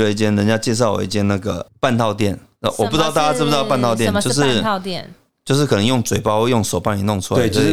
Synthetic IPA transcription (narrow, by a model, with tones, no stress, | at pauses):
wɛ˧˩i˥˩t͡ɕjɛ˥nɻə˧˦nt͡ɕja˥t͡ɕjɛ˥˧ʂ̬ɑ˥˩ʊwɔ̰˨˩i˥˧t͡ɕjɛ˥na˥˩ɡə̰˩pa˥˧nt̪ʰɑ˥˧ʊt̪jɛ˥˩n˥˩wɔ˨˩pu˥˩ɻ̩˥t̪ɑ˥˧˩t̪a˧˩t͡ɕja˥˧˥ɑ˥˧p̬a˥˧nt̪ʰɑ˥˧ʊt̪jɛ˥˨njo˧ʊʂ̬ɻ̩˥˧n˥˧t̪ɛ˥˨n | t͡ɕjo˥˧ʊʂ̬ɻ̩˥˩kʰɤ˨˩nə˧˦ŋjo˥˩ŋt͡swe˨˩ɪpɑ˥ʊ˥jʊ˥˩ŋʂo˨˩ʊpa˥˩ni˨˩nʊ˥˩ŋʈ͡ʂʰu˥la˧˦˧t͡ɕ